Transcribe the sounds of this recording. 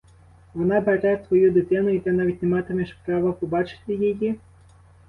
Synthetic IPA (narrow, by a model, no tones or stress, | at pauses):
vɔnabaɾajsʋɔjud̪ɪt̪ɪnʊit̪ɛnavʲitʲnʲɛmat̪emʲɛʃpɾavɐpɔbat͡ʃɪ̥t̪ɪjeji